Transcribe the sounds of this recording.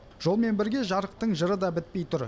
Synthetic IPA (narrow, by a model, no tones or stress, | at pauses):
ʒ̥o̞lˠme̞nbɪɾɡʲe̞ʒɑɾəq̚t̪əɴʒəɾəd̪ɑbɪt̪̚pe̞jt̪ʰʊɾ